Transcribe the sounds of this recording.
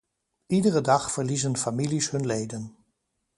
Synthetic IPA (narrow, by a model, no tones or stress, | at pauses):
idərədɑxfərlizənfamilishɵnleːdən